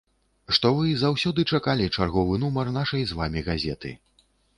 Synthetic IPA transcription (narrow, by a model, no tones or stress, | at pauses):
ʂt̪ɔvɨzawsʲɔd̪ɨt͡ʂakalʲit͡ʂarɣɔvɨn̪umɐrnaʂɐjzvamʲiɣazʲɛt̪ɨ̰